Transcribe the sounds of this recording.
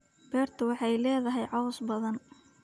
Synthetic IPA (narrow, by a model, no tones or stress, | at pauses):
b̥ɛːrt̪ʰʊwɑħɑjlɛːðɐɦɛjʕɑwʊsbɐðɐn